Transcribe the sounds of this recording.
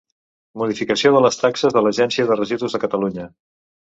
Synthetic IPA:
muðifikəsioðələst̪aksəzðələʒɛnsiəðərəʒiðuzðəkət̪əluɲə

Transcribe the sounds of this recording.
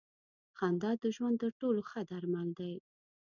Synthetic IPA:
xɑnd̪ɑd̪̚ːəʒwand̪t̪ːəɾʈoloxəd̪aɾmald̪aj

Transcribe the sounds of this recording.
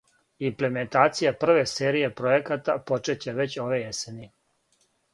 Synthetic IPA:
imple̞me̞nt̪aːt̪sijapr̩ʋe̞se̞ːɾije̞pɾo̞jekat̪apo̞t͡ʃe̞t͡ɕeʋe̞t͡ɕo̞ʋejeseni

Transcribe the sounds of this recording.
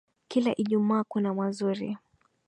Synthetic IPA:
kilaʔiʄumaːkunamwazuɾḭ

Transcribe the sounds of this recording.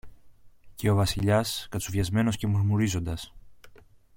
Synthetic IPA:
ce̞o̞vɐsiʎɐskɐt͡suvʝɐzme̞no̞sce̞muɾmuɾizo̞nd̪ɐs

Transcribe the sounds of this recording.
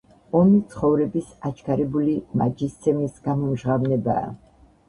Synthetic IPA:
ɔmit̪sʰχɔvɾɛbisat͡ʃʰkʰaɾɛbulimad͡ʒist̪sʰɛmisɡ̥amɔmʒʁavnɛba̰ː

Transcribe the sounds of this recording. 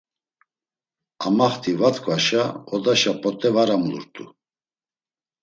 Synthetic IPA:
amaχt̪ʰʼivat̪kʰʼvaʃaɔd̪aʃapʼɔt̪ʼɛvaɾamlṵɾt̪ʼu

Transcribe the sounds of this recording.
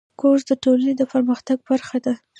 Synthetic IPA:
kozd̪əʈolaned̪əpəɾməxt̪aɡ̚baɾxad̪a

